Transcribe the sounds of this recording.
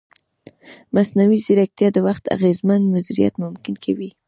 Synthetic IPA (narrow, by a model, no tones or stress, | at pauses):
masnawizɪɾak̚t̪jɑd̪əwaxt̪a̰ɣezmand̪mazd̪uɾija̰t̪mʊmkɪnkʰawi